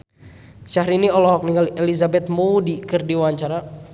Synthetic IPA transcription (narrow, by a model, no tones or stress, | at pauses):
ʃaɦɾiniɔlɔɦɔk̚niŋɡalɛlizabɛt̪̚moudikɨrdiwaɲt͡ʃaɾa